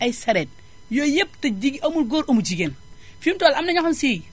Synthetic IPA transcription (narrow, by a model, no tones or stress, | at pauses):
ɐjsɐɾet̚ | jojep̚tɐd͡ʒiɡiʔɐmulɡoɾomud͡ʒiɡenfimtolɐmnɐɲakɐnsi